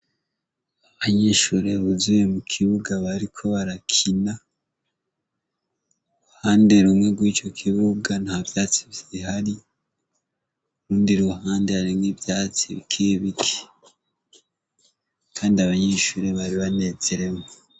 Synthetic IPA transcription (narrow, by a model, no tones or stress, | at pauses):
aβaɲeːʃuɾe̞βuzujemukʰiβuɡaβaɾikʰo̞βaɾakʰina | ɾuhaːnde̞ɾumŋe̞ɡwiːt͡ʃo̞kʰiβuɡanavjaːt͡si̥βiɦaɾi | uɾuːndiɾuuhaːnde̞aɾimɡivjaːt͡siβikʰiβikʰe̥ | kʰaːndiaβaɲeːʃuːɾe̞βaɾiβane̞zeɾe̞mo